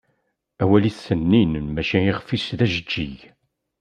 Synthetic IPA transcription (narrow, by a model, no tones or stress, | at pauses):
æwæliθːənːinmæʃiiʁfisðæʒəd͡ʒːḭʝ